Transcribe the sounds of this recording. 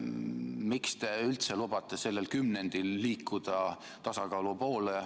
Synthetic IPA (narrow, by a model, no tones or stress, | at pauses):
mikst̪e̞ylt̪se̞lub̥ɑt̪ˑːe̞se̞lːelkymne̞nd̪̥ilːiːkːud̪̥ɑ | t̪ɑsɑkɑːlupo̞ːle